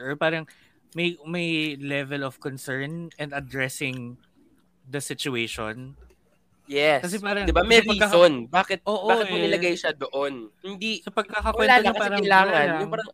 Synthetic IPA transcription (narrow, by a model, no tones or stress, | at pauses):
ɔpaːɾɐŋ | mɐjmɐjlɛvɛlɔfkɔnsɛɹnɛnd̪ɐd̪ɹɛsɪŋ | d̪ɐsɪt͡ʃʊejʃon | jɛskɐsɛpaːɾɐŋd̪ɪbamɛɾpɐiːkɐsonbaːkɛt̪̚oːʔoaːktonɪlɐɡajʃad̪oʔonhɪnd̪isɐpɐɡ̚kɐkɐkwɛlaːoɐkɐpaɛːɾɐɐjlaːŋɐnjʊpaːɾɐŋ